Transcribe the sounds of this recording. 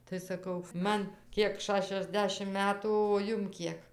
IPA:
tɐɪ sɐˈkɐʊ ˈmɐn ˈkʲiɛk ˌʃɑːʃʲɛzʲˈdʲæːʃʲɪm ˈmʲæːtuː oː ˈjʊm ˈkʲiɛk

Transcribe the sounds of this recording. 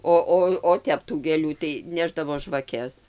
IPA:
ˈoː ˈoː oː ˈtʲɛp tuː ɡʲeːˈlʲuː tɐɪ ˈnʲæːʒdɐʋoː ʒʋɐˈkʲɛs

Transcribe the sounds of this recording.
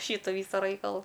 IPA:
ˈʃʲiːtʊ ˈʋʲiːsʊ ˈrɐɪkɐlˠʊ

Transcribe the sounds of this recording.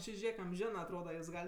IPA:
ˈt͡ʃʲɪ ˈʒʲeːk ɐmʲˈʒʲæːnɜ ɐtˈroːdɐ juɔs ˈɡɐlʲ

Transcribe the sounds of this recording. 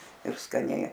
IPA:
ɪr skɐˈnʲɛɪ

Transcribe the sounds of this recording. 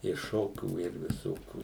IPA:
ɪ ˈʃoːkʲuː ɪr ʋʲɪˈsoːkʲuː

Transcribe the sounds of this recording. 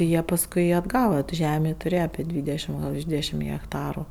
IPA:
ˈjiɛ pɐsˈkʊɪ ɐdˈɡɑːʋɐ tʊ ˈʒʲæːmʲeː tʊˈrʲeːjɛ ɐpʲeː ˈdʲʋʲiːdʲɛʃʲɪm ɡɐlˠ ʋʲɪrʃ ˈdʲʋʲiːdʲɛʃʲɪm ɣʲɛkˈtɑːrʊ

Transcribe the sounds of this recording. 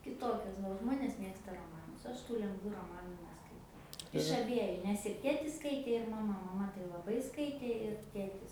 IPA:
kʲɪˈtoːkʲɛs ˈʋɐ oː ˈʒmoːnʲeːs ˈmʲeːkstɐ roːˈmɑːnʊs ˈɐʃ tuː lʲɛŋɡˈʋuː roːˈmɑːnʊ nʲɛskɐɪˈtɐʊ ɪʃ ɐˈbʲiɛjʊ nʲɛs ɪr ˈtʲeːtʲɪs ˈskɐɪtʲeː ɪr mɐˈmɐ mɐˈmɐ tɐɪ lˠɐˈbɐɪ ˈskɐɪtʲeː ɪr ˈtʲeːtʲɪs

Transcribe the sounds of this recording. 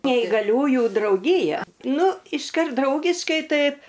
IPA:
nʲɛɪɡɐˈlʲuːjuː drɐʊˈɡʲiːjɛ ˈnʊ ɪʃˈkɐrt ˈdrɐʊɡʲɪʃkɐɪ ˈtɐɪp

